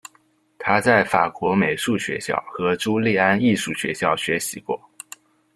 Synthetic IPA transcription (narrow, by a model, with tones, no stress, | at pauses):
t̪ʰa˥t͡sa˥˩ɪfa̰˨˩kʰwɔ˧˥me˨˩ɪʂu˥˩ɕɥɛ̰˧˥ɕjɑ̰˥˩ʊxɤ˧˥ʈ͡ʂu˥li˥˩a˥ni˥˧ʂu˥˩ɕɥɛ̰˧˥ɕjɑ˥˩ʊɕɥɛ˧˥ɕi˧˥kwɔ̰˥˩